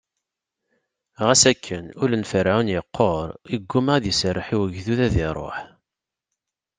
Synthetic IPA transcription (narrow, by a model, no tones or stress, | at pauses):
ʁæsækʰːənʊlænfəɾʕunjəqːoɾˤiɡːumaðjəsərːħiwəʝðuðæðɪɾˤo̰ħ